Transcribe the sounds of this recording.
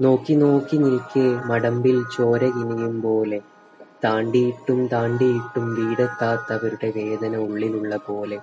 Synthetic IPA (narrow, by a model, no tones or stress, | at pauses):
no̞ːkːino̞ːkːinilkʲːɨmɐɽɐmbilt͡ɕo̞ːɾɐɣinijumpo̞ːle̞ | t̪aːɳɖijiʈːumt̪aːɳɖijiʈːumʋiːɽɐk̪ːaːt̪ːɐʋɐɾuɽe̞ʋe̞ːd̪ɐnɐuɭːiluɭːɐpo̞ːle̞